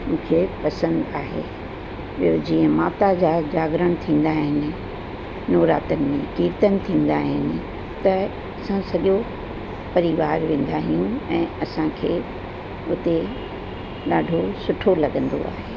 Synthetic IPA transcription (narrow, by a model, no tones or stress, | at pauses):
mũːkʰepɐsə̃nd̪aːɦḛː | od͡ʑiːə̃maːt̪ad͡ʑaːd͡ʑaːɡɾəɽ̃t̪ʰĩːn̆d̪aːɦɪnɪ̆ | noːɾa̰ːt̪ənɪ̆mẽkiːɾt̪ənɪ̆t̪ʰĩːnd̪aːɦɪnɪ̆ | t̪ɐ | ɐsãsɐɠo | pɐɾiʋaːɾʋẽːn̆d̪aːɦijũɛ̃ːɐsãkʰeː | ʊt̪e | ɗaːɖʱosʊʈʰolɐɠə̃nd̪o̰a̰ːɦeː